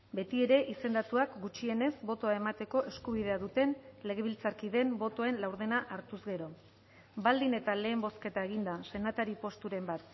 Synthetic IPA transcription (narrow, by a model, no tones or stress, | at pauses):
be̞t̪ie̞ɾe̞ʔise̞nd̪at̪uakɡut͡ʃie̞ne̞zbo̞t̪o̞ae̞mat̪e̞ko̞ʔe̞skuβ̞iðe̞aðut̪e̞nle̞ɣ̞e̞βilt͡saɾkiðe̞mbo̞t̪o̞e̞nlawɾðenaʔaɾt̪uzɣe̞ɾo̞ | bald̪ine̞t̪ale̞ːmbo̞ske̞t̪aeɣ̞ind̪ase̞nat̪aɾipo̞st̪uɾe̞mbat̪